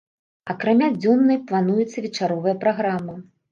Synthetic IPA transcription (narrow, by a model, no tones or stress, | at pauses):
ɐkɾamʲad͡zʲɔnːɐjplˠanujɛt̪sːɐvʲɛt͡ʂaɾɔvɐjɐpɾaɣɾamɐ